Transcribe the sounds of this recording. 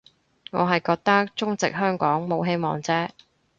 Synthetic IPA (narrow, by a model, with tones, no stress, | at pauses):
ŋɔː˨˧ɦɐ˨jkɔː˧k̚t̪ɐ˥k̚t͡sʊ˥ŋt͡sɪ̰˨k̚ɦœː˥ŋkɔː˨˥ŋmo˨˧wɦe˥jmɔ̰ː˨ŋt͡sɛː˥